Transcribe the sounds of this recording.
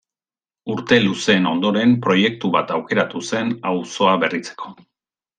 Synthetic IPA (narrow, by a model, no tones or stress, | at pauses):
uɾt̪e̞luse̞ːno̞nd̪o̞ɾe̞mpɾo̞je̞k̚t̪uβat̪awke̞ɾat̪use̞nawso̞aβe̞rit͡se̞̥kʰo̞̥